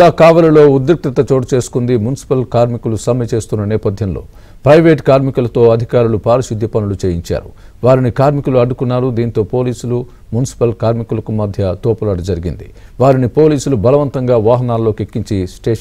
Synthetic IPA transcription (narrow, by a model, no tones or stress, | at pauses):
laːkaːʋɐlɐlo̞ːud̪ɾuk̚t̪ɾit̪ɐt͡ʃo̞ːʈt͡ʃe̞ːsu̥kund̪imunisi̥pɐlkaːɾmikulusɐmjɐt͡ʃe̞ːst̪unːɐnɛːpɐd̪ʱjɐmlo̞̰ː | pɾɐjʋe̞ːʈkaːɾmikulɐt̪o̞ːɐd̪ʱikaːɾulupaːɾiʃid̪ʱːjɐpɐnulut͡ʃeːjiɲt͡ʃa̰ːɾṵ | ʋaːɾinikaːɾmikuluɐɖːukunːaːɾud̪iːnt̪o̞ːpo̞ːliːsulu | munisi̥pɐlkaːɾmikulɐkumɐd̪ʱjɐt̪oːpɐlaːɽud͡ʒɐɾiɡḭnd̪ḭ | ʋaːɾinipo̞ːliːsulubɐlɐʋɐnt̪ɐŋɡaːʋaːɦɐnaːlːo̞ːkekːiɲt͡ʃisʈeː